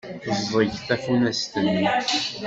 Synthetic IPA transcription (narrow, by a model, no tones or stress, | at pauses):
θzðˤəʝθæfunæst̪ənːi